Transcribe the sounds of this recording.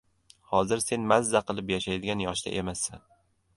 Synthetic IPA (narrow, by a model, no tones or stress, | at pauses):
hɒzɪɾse̞nmazːaqʰɨlˠɪpjaʃajd̪ɪɡʲanjɒʃd̪a̰ʔemasːan